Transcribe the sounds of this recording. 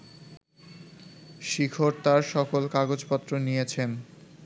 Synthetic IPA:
ʃikʰoɾt̪aɾʃɔkolkaɡod͡ʑpɔt̪ːɾonijet͡ɕʰen

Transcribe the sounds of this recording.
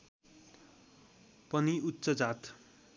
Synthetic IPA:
pʌniut̪ːsʌd͡zat̪ʰ

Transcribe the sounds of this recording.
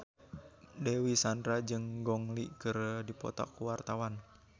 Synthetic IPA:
dɛwisandɾad͡ʒɨŋɡɔŋliʔkəɾədipɔ̰t̪a̰kuwart̪awan

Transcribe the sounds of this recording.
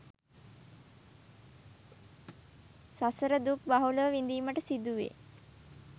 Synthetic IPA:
sasəɾəd̪uk̚baɦuləʋəʋind̪iːməʈəsid̪uʋḛː

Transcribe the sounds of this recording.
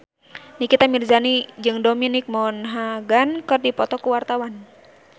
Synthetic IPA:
nikit̪amirzanid͡ʒɨŋdominik̚mɔnɦaɡankɨrdipɔt̪ɔkuwart̪awan

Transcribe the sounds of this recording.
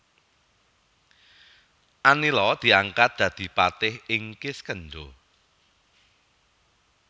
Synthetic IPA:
ʔanilɔd̪̥i̤aŋkat̪̚d̪̥ä̤d̪̥i̤pat̪ɪhɪŋkɪskəɳɖo

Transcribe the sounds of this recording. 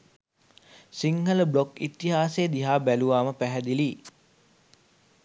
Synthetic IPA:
siŋɡələblokit̪ːiɦaːseːd̪iɦaːbæluʋaːməpæɦæd̪iliː

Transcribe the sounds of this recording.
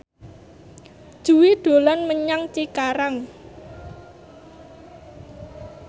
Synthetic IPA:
d̥ʒ̥ṳwid̪̥o̤lanməɲaŋt͡ʃikaɾaŋ

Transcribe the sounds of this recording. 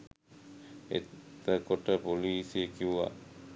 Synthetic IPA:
ḛtt̪əkoʈəpoliːsiekiwa̰

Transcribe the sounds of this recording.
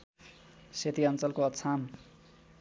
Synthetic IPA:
set̪iʌnt͡sʌlkoʌt̪t͡sʰam

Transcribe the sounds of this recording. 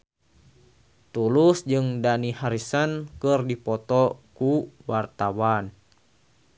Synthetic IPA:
t̪ulusd͡ʒɨŋdanihaɾisənkɨrdipɔt̪ɔkuwart̪awan

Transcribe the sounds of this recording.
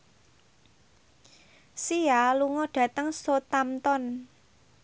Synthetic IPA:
sialuŋɔɖ̥ä̤t̪əŋsot̪amt̪ɔn

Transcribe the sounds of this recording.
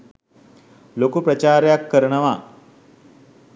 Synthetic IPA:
lokupɾɐt͡ʃaːɾejakːəɾɐɳəʋa

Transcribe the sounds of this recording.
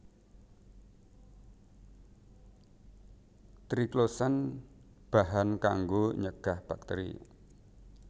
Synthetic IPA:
t̪ɾiklosan | b̥aɦanka̰ŋɡoɲəɡ̥ahb̥ak̚t̪eɾḭ

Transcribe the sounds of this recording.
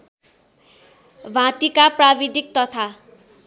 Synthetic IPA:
bʱãt̪ikaprabid̪ik̚t̪ʌt̪ʰa

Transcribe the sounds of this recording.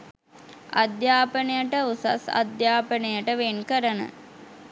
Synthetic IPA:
ad̪jaːpənəjəʈəusa̰sa̰d̪jaːpənəjəʈəʋenkəɾənə̰

